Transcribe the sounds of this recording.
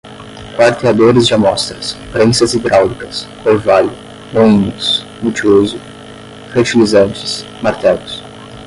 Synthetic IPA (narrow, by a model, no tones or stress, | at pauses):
kaɾt̪ead̪oɾɪzd͡ʒɪamɔst̪ɾɐspɾẽsɐzid̪ɾʔawlikɐskoɾvalʊ | nõĩnʊs | mut͡ʃiozʊ | feɾt͡ʃilizɐ̃nt͡ʃɪ̥s | maɾt̪ɛlʊs